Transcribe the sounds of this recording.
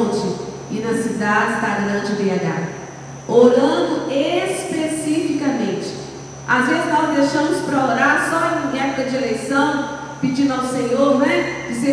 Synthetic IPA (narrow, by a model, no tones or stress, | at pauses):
sʊ | ɪnɐsid̪ad͡ʒɪsd̪ɐɡɾɐ̃d͡ʒɪb̪eaɡa̰ | oɾɐ̃nd̪ʊespesifikɐmẽt͡ʃɪ̥ | azezɪznɔzd̪eʃɐ̃mʊspɾɐoɾaɾsɔẽj̃ɛpʊ̥kɐd͡ʒɪelejsɐ̃w̃ | pɪd͡ʒĩnd̪ʊawsẽɲoɾnɛɪse